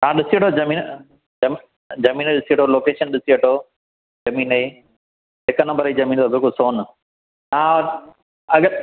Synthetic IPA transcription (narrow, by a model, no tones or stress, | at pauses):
ãːɗɪsieʈʰozɐmĩːn | ɐm | d͡ʑɐmĩːnɗɪsieʈʰoloːkeːʃənɗɪsiəʈʰoː | zɐmiːnɐi | ɪknɐmbəɾizɐmiːnt̪obɪlkʊlsoːn | ãː | ɐɡə